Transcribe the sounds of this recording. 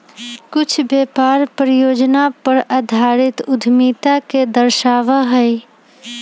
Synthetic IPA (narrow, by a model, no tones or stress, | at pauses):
kʊt͡ʃʰbeːpaːɾpɾəjoːd͡ʒnapəɾəd̪ʱaːɾɪt̪ʊd̪ʱmiːt̪aked̪əɾʃaːʋaɦɛj